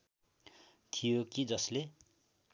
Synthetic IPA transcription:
t̪ʰijokid͡zʌsle

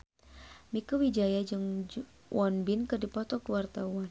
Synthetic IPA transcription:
mikuwid͡ʒajad͡ʒɨŋ | wʔɔnbɪnkɨrdipɔt̪ɔkəwart̪awan

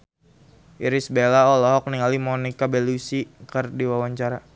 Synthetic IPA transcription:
ʔiɾisbelaɔlɔɦɔk̚niŋalimɔnikabelusikərdiwawaɲt͡ʃaɾa

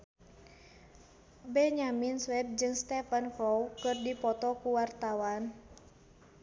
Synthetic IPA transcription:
bɛɲaminswɛp̚d͡ʒɨŋst̪ɛfənkɔwkɨrdipɔt̪ɔkuwart̪awan

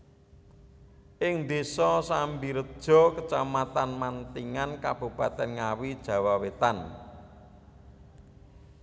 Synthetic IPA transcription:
ʔɪŋnd̪esɔsambiɾəd̥ʒ̥ɔ̤kət͡ʃamat̪anmant̪iŋankab̥ṳpat̪ɛnŋawid̥ʒ̥ä̤wawet̪an

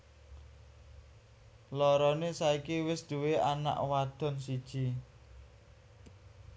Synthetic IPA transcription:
lɔɾɔnesaikiwɪsd̪̥uweana̰ʔwad̪̥ɔ̤nsid̥ʒ̥i

